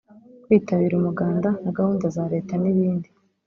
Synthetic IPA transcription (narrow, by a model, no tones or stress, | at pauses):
kwiːtaβiːɾumuɡaːndanaɡahuːndazaɾe̞ːtaniβiːndi